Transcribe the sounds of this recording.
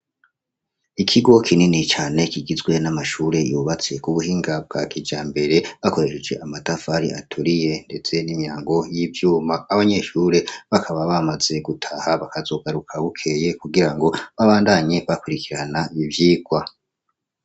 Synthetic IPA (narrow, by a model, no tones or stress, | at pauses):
ikʰiɡo̞kʰininit͡ʃaːne̞kiɡizɡwe̞namaʃuːɾe̞juːβat͡se̞kuβuhiːŋɡab̚ɡa̰kid͡ʒaːmbe̞ɾe̞βako̞ɾe̞ʃed͡ʒe̞ʔamatafaɾḭa̰tʰuɾije̞nde̞t͡se̞nimjaːŋɡo̞jivjuːmaːβaɲe̞ʃuːɾe̞βakʰaβaβamaz̥e̞ɡutʰahaβakazo̞ːɡaɾukʰaβukʰe̞je̞kuɡiɾaŋɡo̞βaβaːndaɲe̞βakuɾikiɾanaivjiːɡ̥wa